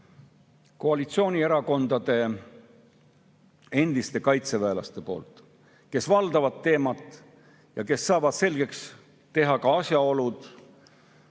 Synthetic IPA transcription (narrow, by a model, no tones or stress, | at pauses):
ko̞ɑlit̪sio̞ːnʲieɾɑko̞nd̪̥ɑd̪̥e̞ | e̞nd̪̥ist̪e̞kɑjt̪se̞væelɑ̰st̪e̞po̞̰ːlt̪ˑ | ke̞svɑld̪ɑvɑd̪̚t̪ːe̞ːmɑt̪ːˑ | jɑke̞sːɑːvɑd̪̥se̞lɡ̥e̞ks | t̪e̞ɦɑkɑɑsʲjɑo̞lud̪̥